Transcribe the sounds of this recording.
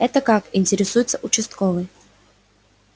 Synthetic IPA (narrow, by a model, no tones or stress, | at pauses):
ɛt̪əkakɪnʲtʲɪɾʲɪsujɪt̪səʔʊt͡ɕɪst̪kovɨj